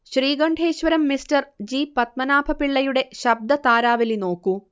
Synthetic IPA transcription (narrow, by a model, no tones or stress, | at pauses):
ɕriːɡɐɳɖʱe̞ːɕʋɐɾɐmːistɐrd͡ʑiːpɐt̪̚mɐnaːbʱɐpiɭːɐjuɽe̞ɕɐb̚d̪ɐt̪aːɾaːʋɐlino̞ːkːu